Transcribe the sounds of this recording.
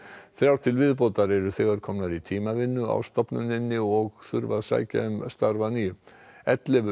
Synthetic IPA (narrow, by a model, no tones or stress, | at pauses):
θɾjawt̪ʰɪlvɪðpowt̪aɾɛɾʏθɛɣaɾ̥kʰɔmnaðit̪ʰiːmavɪnːʏa̰wst̪ɔpnʏ̰nɪnːɪɔɣθʏɾvaðsa̰ːjca̰ʏmst̪aɾvanijʏ | ɛt̪lɪv